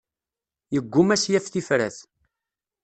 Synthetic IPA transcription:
jəɡʷːʊmæsjæfθifɾæ̰θ

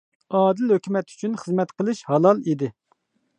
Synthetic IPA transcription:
ɑːd̪ɪlɦøkʲymɛt̪y̥t͡ʃʰynχəzmɛt̪qʰəlˠɨʃhɑlˠɑlˠid̪ɪ

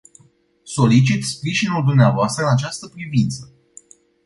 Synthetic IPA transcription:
so̞lit͡ʃit̪spɾiʒinuld̪umneavoast̪ɾəɨnat͡ʃast̪əpɾivint̪sə

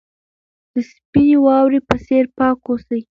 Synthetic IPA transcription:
d̪̥əspinewɑwɾipəseɾpɑkosəj

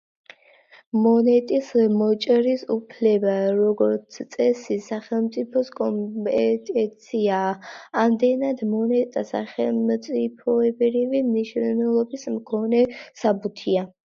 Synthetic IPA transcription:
mɔnɛt̪ʼismɔt͡ʃʼɾisupʰlɛbaɾɔɡɔɾt̪sʰt̪sʼɛsisaχɛlˠmt̪sʼipʰɔskʼɔmpʼɛt̪ʼɛt̪sʰiaːmd̪ɛnad̪mɔnɛt̪ʼasa̰χɛlmt̪sʼipʰɔɛbɾivimniʃnɛlˠɔbismkʰɔnɛsabut̪ʰia

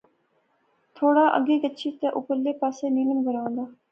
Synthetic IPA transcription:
t̪ʰoːɽaːʔə̰ɡeːkətːʃʰiːt̪eʔʊpəɾleːpaːseːniːləmɡəɾãːnd̪aː

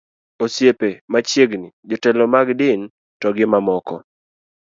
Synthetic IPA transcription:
osjepemat͡ʃjeɡnid͡ʒɔtɛlɔmaɡdɪn | tɔɡɪmamɔkɔ̰

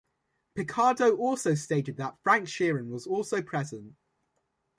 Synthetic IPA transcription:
pʰɪkʰɑːdəʊʔɔˑlˠsəʊsteɪtɪd̪̚ðətfɹãŋkʃɪːɹə̃nwɒzɔˑlˠsəʊpʰɹ̥ɛzə̃nʔ

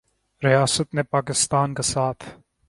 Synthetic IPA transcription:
ɾijaːsət̪nepaːkɪst̪aːnkesaːt̪ʰ

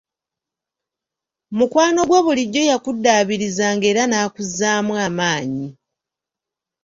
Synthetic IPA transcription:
mukwaːno̞ɡwe̞βuliɟːo̞jakudːaːβiɾizaːŋɡe̞ːɾanaːkuzːaːmwamaːɲi

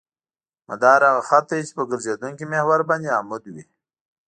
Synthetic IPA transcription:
mad̪ɑːɾaɣaxat̪ajit͡ʃe̥pəɡəɾzed̪uŋkimehwaɾband̪eamʊd̪wi

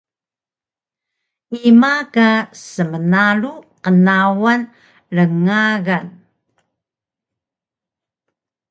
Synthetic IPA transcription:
imakasəmənaɭuqənawan | ɾəŋaɣan

